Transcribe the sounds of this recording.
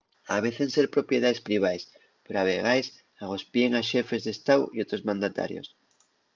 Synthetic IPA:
a̰β̞e̞θenseɾpɾo̞pje̞ð̞aespɾiβ̞ajs | peɾoaβe̞ɣ̞ajs | aɣ̞o̞spje̞ŋaʃe̞fe̞zðest̪awio̞t̪ɾo̞zmãnd̪at̪a̰ɾjo̰s

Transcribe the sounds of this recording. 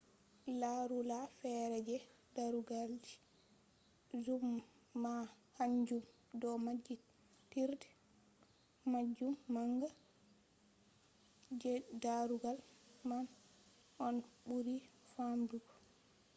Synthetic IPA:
laɾulafɛɾɛd͡ʒɛ | daɾuɡald͡ʒi̥ | zumː | a | haɲd͡ʒum | dɔmad͡ʒːi | tiɾdɛ̥ | mad͡ʒːumːaŋɡa | d͡ʒɛdaɾuɡalman | ʔɔnbuɾifamduɡɔ

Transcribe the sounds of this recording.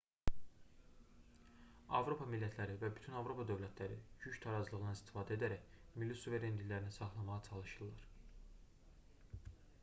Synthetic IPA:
ɑ̰vɾo̞pʰɑmilːæt̪ʰlæɾivæbyt̪ʰynɑvɾo̞pʰɑd̪ø̞vlæt̪ʰlæɾḭɟyct̪ʰɑɾɑzlˠɯɣʁnɑnist̪ʰi̥fɑːd̪æed̪æɾæçmilːisuve̞ɾend̪illæɾinisɑχlˠɑmɑʁɑt͡ʃʰɑlˠɯʃɯlˠɑɾ

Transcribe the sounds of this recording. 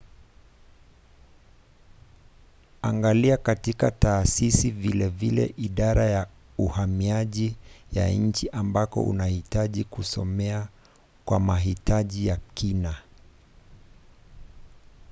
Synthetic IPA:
aŋɡaliakatikataːsisivilɛvilɛ̰ʔiɗaɾaja | uhamiaʄija̰ɲ̩t͡ʃiʔambakɔ̰ʔṵnahitaʄikusɔmɛa | kwa̰maɦitaʄijakina

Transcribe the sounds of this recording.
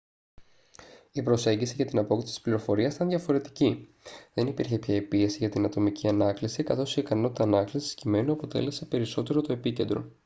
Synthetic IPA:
ipɾo̞se̞ɲɟisiʝɐt̪inɐpo̞kt̪isit̪i̥spliɾofo̞ɾiɐst̪ɐnðʝɐfo̞ɾe̞t̪i̥ci | ðe̞nipiɾçe̞pçɐepie̞siʝɐt̪inɐt̪o̞miciɐnɐklisikɐθo̞siikɐno̞t̪i̥t̪ɐːnɐklisi̥scime̞nuɐpo̞t̪e̞̰le̞sepe̞ɾiso̞t̪e̞ɾo̞t̪o̞e̞pice̞nd̪ɾo̞̰

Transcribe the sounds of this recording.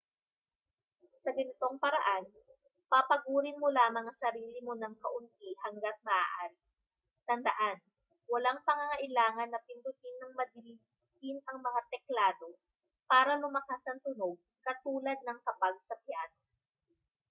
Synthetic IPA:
sɐɡɐnɪt̪o̞ŋpɐɾɐʔan | pɐpɐɡuːɾɪnmolaːmɐŋasɐɾiːlɪmonɐŋkɐʔʊnt̪ihɐŋɡat̪̚mɐʔa̰ʔaɾɪ | t̪ɐnd̪ɐʔan | wɐlaŋpɐŋaŋɐʔɪlaːŋɐnːɐpɪnd̪ʊt̪ɪnːɐŋmɐd̪ɪi | t̪ɪnɐŋmɐŋat̪ɛklaːd̪o̞ | paːɾɐlʊmɐkasɐnt̪ʊno̞ɡ̚ | kɐt̪uːlɐd̪̚nɐŋkɐpaɡ̚sɐpjano

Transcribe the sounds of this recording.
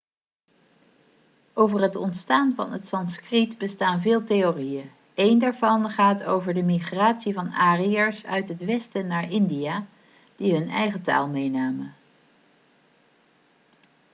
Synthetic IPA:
ʔowvərɦətɔntstaːnvɑ̰nɦətsɑnskritbəstaːnvɪːlˠtejorijən | ejndaːɹvɑnχaːtowvəɹdəmiχraːtsivɑnaːriəɹsœ̰ɥtɦətʋɛstənaːɹʔɪndijaː | d̥iɦɵnɛ̰jχəta̰ːlˠmejnaːmə

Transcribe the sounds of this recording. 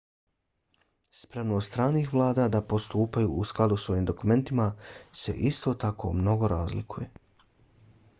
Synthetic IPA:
spɾeʋnoːst̪ɾaːniːxʋlˠaːd̪ad̪apost̪uːpajuːʔusklˠad̪uso̞jiːmd̪o̞kume̞nt̪imase̞̰ʔist̪o̞t̪akʰo̞̰mno̞ɡo̞ɾaːzlḭkʰuje̞

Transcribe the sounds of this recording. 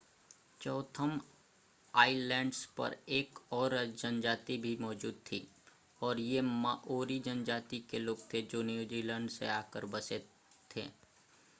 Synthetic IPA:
t͡ʃɔːt̪ʰəm | aːɪlɛ̃ːɳɖspɐ̰ɾeːkɔːɾd͡ʒənd͡ʒaːt̪ibʱimɔːd͡ʒuːd̪̚t̪ʰiː | ɔːɾjemaːʔoːɾid͡ʒənd͡ʒaːt̪ikeloːɡ̚t̪ʰed͡ʒoːnjuːziːlɛ̃ːɳɖsḛaːkəɾbəse | t̪ʰḛː

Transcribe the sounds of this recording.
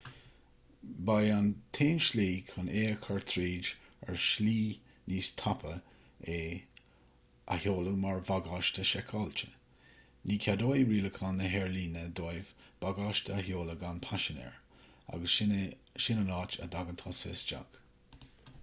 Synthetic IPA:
bajant̪ʰeːnʃliːkʰaneːəkʰaɹt̪ʰɾiːd͡ʒə̰ɹʃliː | niːst̪ʰapʰə | eː | ʔa̰hjoːləmaɹvaɡɑːʃtəʃɛkʰɔlt͡ʃə̥ | niːkʲʰad̪oːjɹiːləkʰanəɦɛɹliːnəd̪ojvb̥aɡɑːʃtʰəaɦjoːləɡanpʰaʃənɛ̰ɹ | a̰ɡəʃɪnənɑːt͡ʃə̰d̪aɡənt̪ʰɑːsɪsd͡ʒa̰ɡ̥

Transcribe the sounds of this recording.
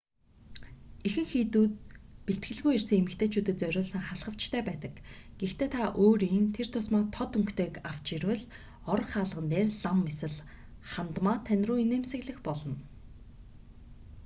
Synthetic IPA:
ixɘ̆ŋxiːt̪uːt̪̚piɬt̪̚ɡɘ̆ɮɣujersɘ̆ŋemɘ̆kt̪ʰeːt͡ɕʰuːt̪ɘ̆t͡sœɾʲʊːɮsə̆ŋχaɮχə̆w̥t͡ɕt̪ʰæːpæːt̪ə̆kɡ̥ext̪ʰeːt̪ʰaʔoːɾiːnt̪ʰer̥t̪ʰʊsmaːt̪ʰɔt̪ɵŋkt̪ʰeːkaw̥t͡ɕirwɘ̆ɮ | ɔɾ̆χaːɮʁə̆nt̪eːrɮamːesɘ̆ɮ | χant̪maːt̪ʰːænʲruːineːmsɘ̆ɣɮɘ̆xpɔɮɞ̆n

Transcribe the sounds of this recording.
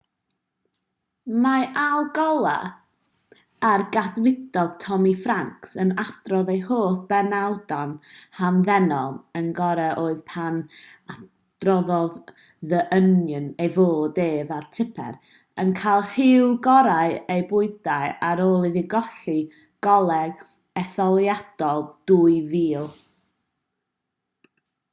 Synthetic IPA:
maʔalˠɡɔlˠa̰ | rɡadwɪdɔɡ̥̚tʰɔmifraŋksənad̥rɔðejhoːθb̥ɛnawd̥anhamðɛnɔlˠənɡɔɾɛʔoːɨðpʰana | d̥rɔðɔð | ðəʔənjənejvoːdeːðatʰɪpʰɛ̰ɾ | ənkʰajlˠhɪwɡɔɾaɨejbʊɨdaɨaɾoːlˠiðɪɡɔɬi | ɡ̥ɔlˠɛɡ̥ | ɛθɔlˠjad̥ɔlˠd̥uɨviːlˠ

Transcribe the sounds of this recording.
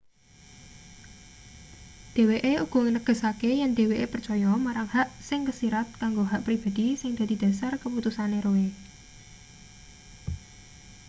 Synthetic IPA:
d̪̥e̤weʔeuɡ̥ɔ̤ŋənəɡ̥ə̤sakejand̪e̤weʔepərt͡ʃɔjɔmaɾaŋhaʔsɪŋkəsiɾat̪̚kaŋɡoɦaʔpɾib̥a̤d̪̥isɪŋd̪̥a̤d̪̥i̤d̪̥a̤sarkəput̪usaneɾoe

